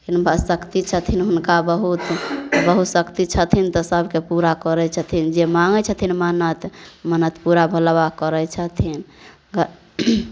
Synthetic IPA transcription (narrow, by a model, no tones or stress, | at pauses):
kinbʱəsəkt̪it͡ʃʰət̪ʰinɦunkabəɦut̪bəɦut̪səkt̪it͡ʃʰət̪ʰint̪ɔsəbʱkepuɾakəɾɛt͡ʃʰət̪ʰind͡ʒemaŋɡət͡ʃʰət̪ʰinmənət̪mənət̪ʰpuɾabʱəlbakəɾət͡ʃʰət̪ʰin